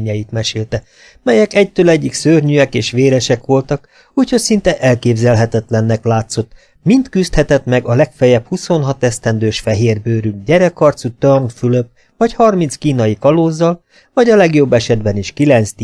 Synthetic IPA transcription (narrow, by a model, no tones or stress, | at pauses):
ɲɛjit̪mɛʃeːlt̪ɛ | mɛjɛkɛc̚t̪øːlɛɟːiksørɲyɛkeːʃʋeːɾɛʃɛkʋo̞lt̪ɒk | uːcho̞ɟsint̪ɛʔɛlkeːbzɛlɦɛt̪ɛt̪lɛnːɛklaːt̪so̞t̪ | mint̪kyst̪hɛt̪ɛt̪mɛɡɒlɛkfɛjɛphuso̞nɦɒt̪ɛst̪ɛnd̪øːʃfɛɦeːrbøːɾyɟɛɾɛkːɒrt̪sut̪ørnfyløp | vɒchɒrminskiːnɒjikɒloːzːɒl | vɒɟɒlɛɡjo̞bːɛʃɛd̪bɛniʃkilɛnt̪st̪